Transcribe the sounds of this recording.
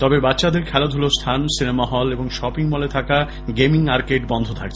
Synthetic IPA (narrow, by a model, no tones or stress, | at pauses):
t̪ɔbebatːɕad̪eɾkʰɛlod̪ʱulost̪ʰansinemaɦɔleboŋʃɔpiŋmɔlet̪ʰaka | ɡemiŋmaɾkeɖbɔnd̪ʱot̪ʰak̚t͡ɕʰ